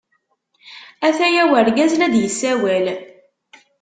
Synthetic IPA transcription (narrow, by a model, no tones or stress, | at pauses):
æθæjæwəɾɡæzlæd̪jəsːæwæl